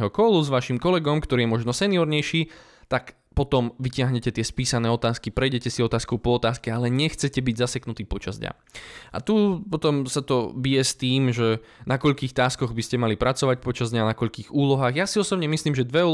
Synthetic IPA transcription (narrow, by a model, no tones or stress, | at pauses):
ɦɔkɔluzʋaʃimkɔlɛɡɔmkt̪ɔɾiːjɛmɔʒnɔsɛniɔɾɲɛjʃi | t̪ak | pɔt̪ɔmʋicɪaɦɲɛcɛt̪ɪɛspiːsanɛːɔt̪aːskipɾɛjɟɛcɛsiɔt̪aːskɔʊpɔːt̪aːskɛalɛɲɛxt͡sɛcɛbiɟzasɛknut̪iːpɔt͡ʃazd̪ɲa̰ | ʔa̰t̪upɔt̪ɔmsat̪ɔbijɛst̪iːmʒɛ | nakɔʎkiːxt̪aːskɔɣbiscɛmalipɾat͡sɔʋac̚pɔt͡ʃazd̪ɲanakɔʎkiːɣuːlɔɦaːɣjasiɔsɔbɲɛmisliːmʒɛd̪ʋɛɔ